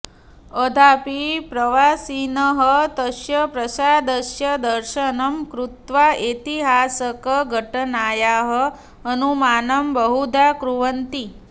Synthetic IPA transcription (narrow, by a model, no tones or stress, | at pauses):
əd̪ʱapipɾəʋasinəɦət̪əʃjəpɾəsad̪əʃjəd̪əɾʃənəmkɾut̪ʋaet̪iɦasəkəɡʱəʈənajaɦə | ənumanəmbəɦud̪ʱakɾuʋənt̪i